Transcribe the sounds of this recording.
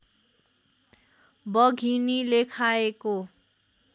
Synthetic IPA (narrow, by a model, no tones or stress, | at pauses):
bʌɡʱinilekʰaeko